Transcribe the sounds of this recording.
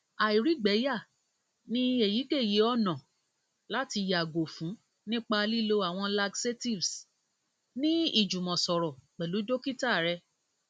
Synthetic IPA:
a˨i˨ɾi˨˦ɡ͡bɛ˨˦ja˦˨ | nĩ˦e˦˨ji˨˦ke˦˨je˨˦ɔ˦˨nã˨ | la˦ti˧ja˨ɡo˨fũ˨˦ | nĩ˦k͡pa˧li˦lo˧a˦˨w̃ɔ̃˧la˧ɡse˦ti˦˨vs | nĩ˦i˦˨d͡ʒu˨mɔ̃˨sɔ˨ɾɔ˨k͡pɛ˨lu˨˦do˦ki˦ta˦˨ɾɛ˧

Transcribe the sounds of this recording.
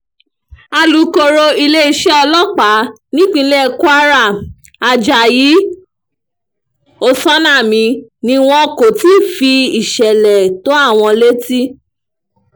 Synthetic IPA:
a˧lu˨ko˧ɾo˧i˧le˦i˧˦ʃɛ˦ɔ˧lɔ˦˨k͡pa˨˦ | nĩ˦k͡pĩ˧˦lɛ˦˨ku˦a˦ɾa˦˨ | a˧d͡ʒa˨ji˨˦ | o˦˨sɔ˦nã˦˨mĩ˨˧nĩ˧w̃ɔ̃˦ko˨ti˦˨fi˧i˨ʃɛ˨lɛ˨to˨˦a˦˨w̃ɔ̃˧le˦ti˦

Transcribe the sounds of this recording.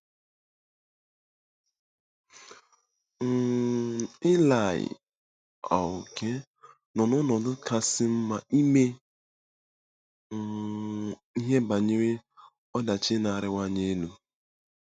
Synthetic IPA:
ɪ˦la˨ɪ̰˨ | a̰˨ʊ˨kʰe˦ | nɔ˨nʊ˦nɔ˨dʊ˦ka˦sɪ˦m̩˦ma˨i˦me˦˨ | i˦ɦe˦ba˨ɲe˦ɾe˦ | ɔ˦da˨t͡ʃɪ˦na˨ɾɪ˦wʷa˦ɲe˦nu˨

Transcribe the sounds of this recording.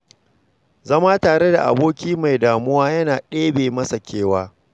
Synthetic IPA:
zɐ˦maː˦taː˨ɽe˦da̰˨ʔa̰˨boː˦kʲiː˦ma˨jdaː˨mʊ˦waː˦jɐ˦naː˨ɗeː˦beː˨mɐ˦sa˨kʲeː˦waː˦

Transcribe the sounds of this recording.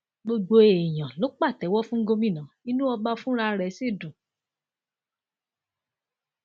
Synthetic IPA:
ɡ͡bo˧ɡ͡bo˧e˨j̃ã˨lo˨˦k͡pa˦˨tɛ˨˦wɔ˦fũ˦ɡo˧mĩ˦˨nã˨˦i˦nũ˦ɔ˧ba˧fũ˦ɾa˧ɾɛ˨˦se˦˨dũ˨

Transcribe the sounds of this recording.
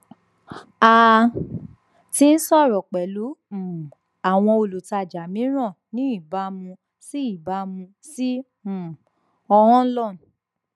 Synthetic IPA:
a˧ | ti˦n̩˦sɔ˦˨ɾɔ˨k͡pɛ˨lũ˨˦˨ | a˨w̃ɔ̃˧o˧lu˨ta˧˨d͡ʒa˨mĩ˨˦ɾ̃ã˦˨nĩ˨˦i˦˨ba˨˧˦mũ˧ | si˦i˦˨ba˧˦mũ˧ | si˦ | m̩̃˨ | ɔ˧hɔ̃˦lɔ˦˨n˨

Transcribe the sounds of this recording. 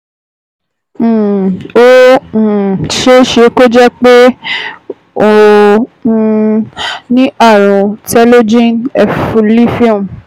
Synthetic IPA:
õ˦˨ | ʃe˦ʃe˧ko˦d͡ʒɛ˦k͡pe˦ | õ˨˦˧ | nĩ˦ʔa˦˨ɾ̃ũ˨tɛ˦lo˦d͡ʒĩ˦nɛ˧˨fũ˨˧li˦fĩ˦ũ˨

